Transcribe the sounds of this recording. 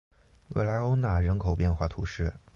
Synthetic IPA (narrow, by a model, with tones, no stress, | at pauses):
we˥˩ɪla˧˥ɪo˥ʊna˥˩ɻə˧˥nkʰo˨˩ʊpjɛ˥˧nxwa˥˩t̪ʰṵ˧˥ʂɻ̩˥˩